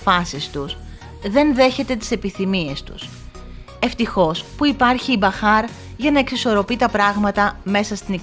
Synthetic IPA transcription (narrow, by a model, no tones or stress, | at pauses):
ɐsist̪us | ðe̞nðe̞çe̞t̪e̞t̪i̥se̞piθimie̞st̪u̥̰s | e̞ft̪ixo̞spuipɐɾçibɐxɐɾ | ʝɐnɐe̞ksiso̞ɾo̞pit̪ɐpɾɐɣmɐt̪ɐme̞sɐst̪ini